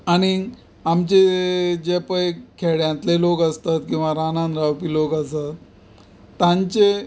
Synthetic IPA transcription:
aɽ̃i | amt͡ɕed͡ʑepəjkʰeɽjãnt̪lelokəst̪at̪kĩw̃ʋaɾanãnɾawpiːlokəsat̪ː | ãɲt͡ɕe

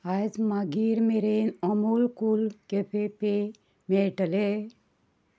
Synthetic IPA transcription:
ad͡ʒmaɡiɾmeɾenəmulkulkepʰepe | meʈəle

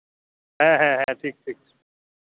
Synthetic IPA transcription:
ɦɛ̃ɦɛ̃ɦɛ̃ʈʰiːk̚ʈʰiːk̚

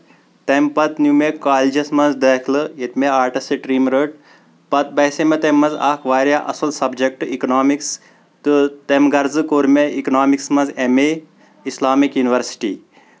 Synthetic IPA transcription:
t̪empɐt̪njumekaːlid͡ʒɐsmɐnzd̪ɐːkʰlɨjɐt̪meaːɾʈɐseʈɾiːmɾəʈ | pɐt̪̚bɐːsemet̪emːɐzaːkʰʋaːɾjaʔɐ̰sɐlsɐbd͡ʒɐk̚ʈikɐnaːmiks | t̪ɨt̪emɡɐɾzɨkoːɾmeiknaːmiksmɐ̃nzeme | islaːmikjuːniʋɐɾsi̥ʈiː

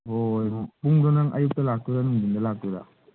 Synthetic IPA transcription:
ɦojpuŋdɔnaŋʔa̰juk̚talak̚tuɾanuŋbindalak̚tuɾa̰

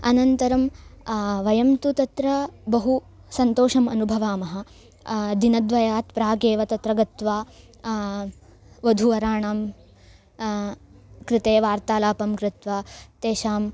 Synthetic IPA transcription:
ɐnɐnt̪ɐɾɐm | ʋɐjɐmt̪ut̪ɐt̪ɾɐbɐɦu | sɐnt̪oːʂɐmɐnubʱɐʋaːmɐɦɐ̆ | d̪inɐd̪ʋɐjaːt̪pɾaːɡeːʋɐt̪ɐt̪ɾɐɡɐt̪ʋaː | ʋɐd̪ʱuʋɐɾaːɳaːm | kɾɪt̪eːʋaːɾt̪aːlaːpɐmkɾɪt̪ʋaːt̪eːʃaːm

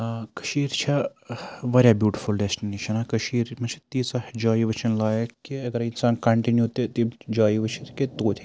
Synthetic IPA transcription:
kɐ̥ʃiːɾt͡ʃʰɐ | ʋɐɾʲjabjuːʈifʰulɖesʈineːʃɐnakɐʃiːɾmɐt͡ʃʰi̥t̪iːsad͡ʒaːiʋɐt͡ʃɐnlaːjɐkiɐɡɐɾinsaːnkɐɳʈinjut̪et̪id͡ʒaːiʋɐt͡ʃʰɐt̪ket̪oːt̪ʰi

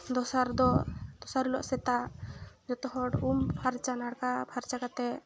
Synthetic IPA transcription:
d̪ɔsaɾd̪ɔʔd̪ɔsaɾulɔ̰ʔsɛt̪a | d͡ʒɔt̪ɔɦɔɽumpʰaɾt͡ʃanaɽkapʰaɾt͡ʃakat̪ɛ

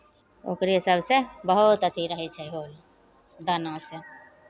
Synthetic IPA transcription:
o̰ːkɾiɦɪsabsebəɦʊt̪ət̪ʰiɾəɦɛt͡ʃʰɛɦoːl | d̪anãse

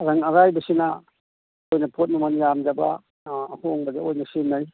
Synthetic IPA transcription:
ɾaŋɐɾajbɐsina | kojnɐpʰot̬̚numanjamd͡ʒaba | hoŋbɐdeojnɐsinaj

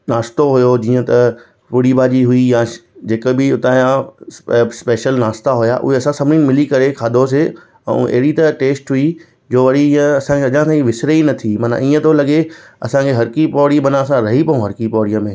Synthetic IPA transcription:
naːst̪oɦʊjod͡ʑiːə̃t̪ɐ | pʊɽibaːd͡ʑiɦʊijãd͡ʑeːkbɪʊt̪aːã | speːʃəlnaːst̪aɦʊja̰ʔʊ̰ɦeɐsãsɐmnɪ̃ŋmɪlikɐɾekʰaːd̪ʱos̬e | ɛ̰̃ːʔɐ̰ɦɪɽit̪ɐʈeːsʈɦʊi | d͡ʑoːʋɐɽiiə̃ɐsãkʰeɐʄãsãiʋɪsɾeinɐt̪ʰimɐːnã̰iːə̃t̪olɐɠeɐ̰sãkʰeɦɐɾkipɔːɽibɐnãɐsãɾɐɦipɐũɦɐɾkipɔːɽijə̃mẽ

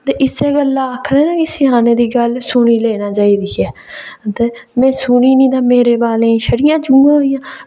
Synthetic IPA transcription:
t̪eːʔɪseːɡəlːaːəkʰd̪eːnãːkɪsɪaːnẽːd̪iːɡəlsʊɽ̃iːleːnãːt͡ʃaːiːd̪iːɦɛːt̪eːmɛ̃ːsʊniːnĩːt̪ãːmeːɾeːbaːlẽːĩːʃʰəɽɪjãːd͡ʒuːãːoijãː

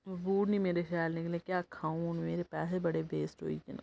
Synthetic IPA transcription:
ʋuːɽnĩmeːɾeʃaːlnɪklẽkjaːkʰãːũnmeːɾepɛːsebəɽeʋeːsʈɦo̰ːḭken

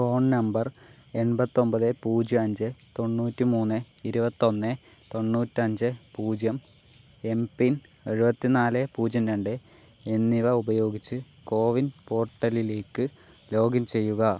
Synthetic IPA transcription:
fo̞ːɳnɐmbɐre̞nbɐt̪ːo̞mbɐðɨpuːd͡ʑɐɐɲd͡ʑɨt̪o̞ɳːuːtːɨmuːnːɨiɾubɐt̪ːo̞nːɨt̪o̞ɳːuːtːɨɐɲd͡ʑɨpuːd͡ʑjɐm | e̞mpineɻubɐt̪ːinaːlepuːd͡ʑjɐmɾeɳɖɨ | enːiʋɐubɐjo̞ːɡit͡ɕːɨ | ko̞ːʋinpo̞ːʈːɐlile̞ːkːɨ | lo̞ːɡɐmt͡ɕe̞jːuɣɐ

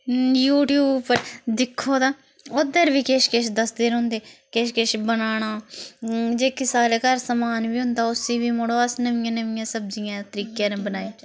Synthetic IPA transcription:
juːʈjuːbpəɾd̪ɪkʰːoːd̪ãː | od̪əɾʋiːkeːʃkeʃd̪əsd̪eːɾɦʊ̃ːnd̪eːkeːʃkeʃbənaːɽ̃aː | d͡ʒeːkɪsaːleːkəɾsəmaːnʋiːɦʊ̃nd̪aːʊsiːʋiːmoːɽoːəsnəʋɪjãːnəʋɪjãːsəb̚zijãːt̪əɾiːkjãːnẽbənaːjãː

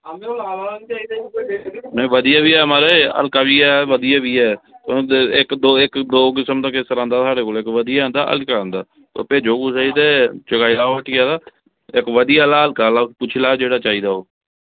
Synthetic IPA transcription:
nəĩʋəd̪ɪjaːbiːɛːmaːɾeə̰lkaːbiːaːʋəd̪ɪjaːbiːɛːt̪oɪkd̪oːɪkd̪oːk̬ɪsəmd̪aːkɪst̪əɾãːnd̪aːsaːɽeːkoːlɪkʋəd̪ijaːə̃nd̪a̰ːʔə̰lkãːnd̪a̰ː | t̪ə̰pẽːd͡ʒoːɡuːsait̪eːt͡ʃəkaːilaːoːəʈʰijaːd̪aː | ɪkʋəd̪ijaːlaːəlkaːlaːpʊt͡ʃʰɪlaːd͡ʒeːɽaːt͡ʃaːɦiːd̪aːoː

